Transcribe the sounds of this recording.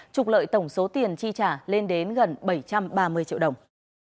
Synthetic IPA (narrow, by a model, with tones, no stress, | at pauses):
t͡ɕʊ˨˩k͡p̚lə̰ː˧˨jt̪ə˧˩wŋ͡mso˨˦t̪i˨˩ənt͡ɕi˧t͡ɕaː˧˩le˧nɗe˨˦nɣə˨˩nɓə˧˩jt͡ɕa˧mɓaː˧mɨ˧əjt͡ɕḭ˧əwɗə˨˩wŋ͡m